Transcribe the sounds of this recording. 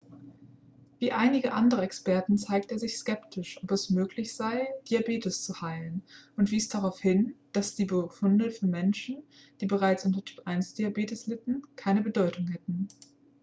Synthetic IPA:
viːʔaɪnɪɡəʔandəʁəɛkspɛɐtn̩t͡saɪk̚teːɐzɪçskɛptʰɪʃʔɔpɛsmøːklɪçz̥aɪd̥iabeːtəst͡suhaɪlənʔʊntv̥iːsd̥aʁaʊfhɪnd̥asd̥iːbəfʊndəfyːɐmɛnʃn̩ | d̥iːbəʁaɪt͡sʔʊntɐtʰy̥ːpʔaɪnsd̥iabeːtəslɪtn̩kʰaɪnəbədɔʏtʰʊŋhɛtn̩

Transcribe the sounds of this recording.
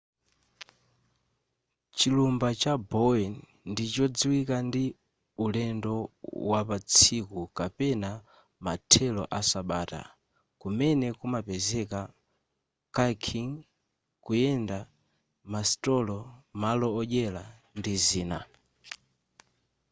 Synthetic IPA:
t͡ʃilumbat͡ʃabɔɛn | ndit͡ʃɔd͡ziwikandi | ulɛndɔwapat͡sʰikukapɛna | matʰɛlɔʔasaɓaːta̰ | kumɛnɛkumapɛzɛka | kakʰiŋ | kujɛnda | mastɔlɔmalɔːʄɛla | ndiziːna̰

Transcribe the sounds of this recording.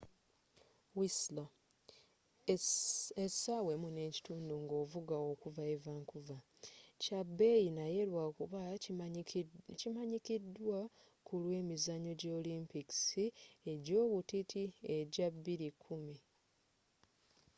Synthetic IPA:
wisla | esawe̞mune̞ːci̥tuːnduŋɡo̞ːvuɡao̞kuvaevaːŋkuva | cabːe̞jinaje̞lwakuβa | cimaɲikidwa | kulwe̞ːmizaɲoɟolimpiki̥sieɟo̞ːβutitʰie̞ɟabiɾikʰumi

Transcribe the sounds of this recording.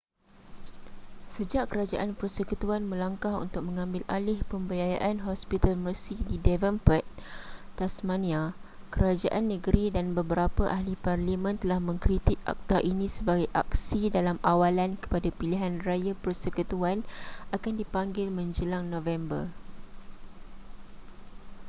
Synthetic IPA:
səd͡ʒaʔkəɾad͡ʒa̰ʔanpərsəkut̪uanmə̃laŋkaɦṵnt̪ʊk̚mə̃ŋãmbɪlʔalɪhpəmbəjaja̰ʔanɦɔspit̪almərsididɛvəmpət̪̚t̪asmanĩa | kəɾad͡ʒaʔanːəɡɾidanbəbəɾapaʔahliparlimə̃nt̪əlahmə̃ŋkɾit̪ɪk̚ʔa̰k̚t̪aʔinĩsəbaɡajʔa̰k̚sidalamawalankə̥padapiliɦanrajapərsəkut̪uanakandipaŋɡɪlmə̃ɲd͡ʒəlaŋnɔ̃vɛmbə̰r

